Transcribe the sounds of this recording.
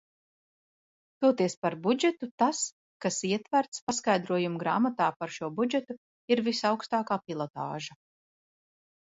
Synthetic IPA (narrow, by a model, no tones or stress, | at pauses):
t̪uɔt̪iɛspaɾbud͡ʒɛt̪ut̪as | kasiɛt̪væɾt̪spaskajd̪ɾuɔjumɡɾaːmat̪aːpaɾʃuɔbud͡ʒɛt̪u | iɾvisawkst̪aːkaːpilˠɔt̪a̰ːʒa